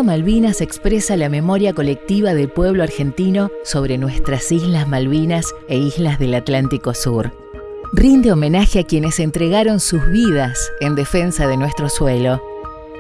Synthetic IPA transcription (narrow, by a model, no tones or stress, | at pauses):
omalβinasekspɾesalame̞mo̞ɾjako̞lek̚t̪iβaðelpwe̞βloaɾxe̞nt̪ino̞so̞β̞ɾenwe̞st̪ɾasizlazmalβinaseizlazðelat̪lant̪iko̞suɾ | rind̪eo̞mẽ̞naxeakje̞nese̞nt̪ɾeɣaɾo̞nsuzβið̞ase̞nd̪e̞fe̞nsaðe̞nwest̪ɾo̞swelo̞